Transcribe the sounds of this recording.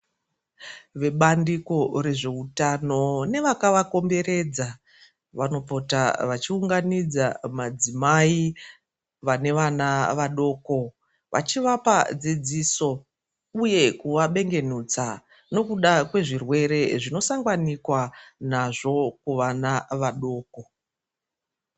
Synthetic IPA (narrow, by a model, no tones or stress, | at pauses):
ʋe̞ɓandiko̞re̞ʐe̞utano̞ne̞ʋakaʋako̞mbe̞ɾe̞d͡za | ʋano̞po̞taʋat͡ʃiuŋɡanid͡zamad͡zimai | ʋane̞ʋanaʋaɗo̞ːko̞ | ʋa̰t͡ʃiʋapad͡zid͡ziso̞ | uje̞kuʋaɓe̞ŋɡe̞nuːt͡sa | no̞kuɗakwe̞ʐirwe̞ɾe̞ʐino̞saŋɡanikwanaʐo̞kuʋanaʋaɗo̞ːko̞